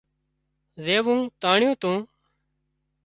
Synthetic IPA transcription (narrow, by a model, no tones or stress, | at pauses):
zeːʋũːt̪aːɳɪjũːt̪ũː